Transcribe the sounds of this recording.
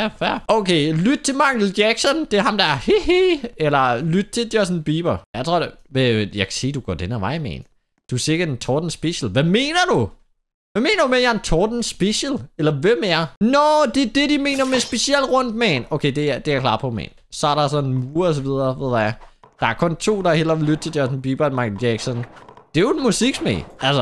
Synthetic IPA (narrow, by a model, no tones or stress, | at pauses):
jæfæoʊkʰelyd̥̚t͡sʰe̝mɑ̈ŋ̥l̩̥jæɡ̥sɒnd̥e̝ɐɦɑ̈md̥ɑæɐhihielɐlyd̥̚t͡sʰe̝ld̥jɒsnb̥iːb̥ɐjɑ̈ɪt͡sʰʁo̝ɐ̰deʋejɑ̈ɪkʰæ̥se̝̰ːd̥uɡ̥ɒ̰denɐʋɑ̈ɪ̰mɛ̰ːn | d̥use̝ɡ̥ɐd̥ent͡sʰɒːd̥n̩sb̥eɕl̩ʋæme̝̰ːnɐd̥u | ʋæme̝̰ːnɐd̥umejænt͡sʰɔːd̥n̩sb̥eɕəlelɐʋemːɐnɒd̥e̝ɐd̥e̝ɾ̥ime̝̰ːnɐmesb̥e̝siel̰ʁɔ̽n̰d̥̚mɛ̰nokʰeɪd̥e̝d̥e̝æɐklɑ̰̈ːpʰɒ̽mɛ̰ːn | sɒ̽æɐɾɑ̈sɒ̽nenmuːɐɒs̬ɒʋið̞ˠɐʋeð̰ˠɐja | d̥ɑ̈æɐkʰɔ̽nt͡sʰo̝̰ːd̥ɑ̈hel̰ɒʋlːyd̥̚t͡sʰe̝ljɒsn̩b̥iːb̥ɐmɑ̈ɡjɛɡ̥sɔnd̥e̝joe̥musiɡ̥smḛælsɐ